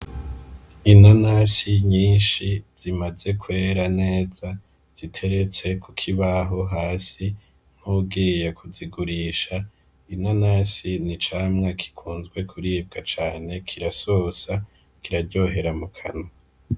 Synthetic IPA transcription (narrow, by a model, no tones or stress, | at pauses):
inanasiɲiːnʃiz̥imaze̞kʰwe̞ːɾane̞ːza | z̥itʰe̞ɾe̞t͡se̞kʰukʰiβaɦo̞ɦaːsi | n̥huːb̚ɡiːjekʰuziɡuɾiːʃa | inanasinit͡ʃaːmŋakʰi̥kʰuːnzɡwe̞kʰuɾiːb̚ɡat͡ʃaːne̞kʰiɾaso̞ːsa | kiɾaɾɟo̞ːɦe̞ɾamukʰano